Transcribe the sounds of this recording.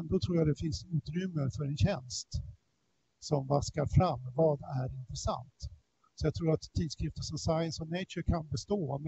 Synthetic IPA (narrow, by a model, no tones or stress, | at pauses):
nd̪ɔt̪ʰɾuːjad̪ɛfɪnsʉ̟ːt̪ɾʏmːəɾfœɾɛnɕɛnst̪ | sɔmvaskaɾfɾamːvɑːd̪æɾɪnt̪ɾɛsa̰nt̪ | sɔjat̪ʰɾuːɾat̪ʰːiːd̪skɾɪft̪əʂɔmsajənsɔnɛɪt͡ʃəkʰanbɛst̪oːm